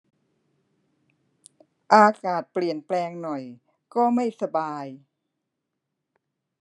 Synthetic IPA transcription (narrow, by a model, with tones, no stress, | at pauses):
ʔaː˧kaː˨˩t̪̚pli˨˩ənplɛː˧ŋnɔ˨˩j | kɔː˥˩ma˥˩jsa˧baː˧j